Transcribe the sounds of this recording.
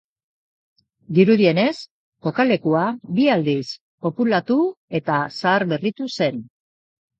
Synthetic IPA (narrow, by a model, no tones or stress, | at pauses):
d̪iɾuðie̞ne̞s | ko̞kale̞kuabiald̪is | po̞pulat̪ue̞t̪asaːɾβe̞rit̪use̞n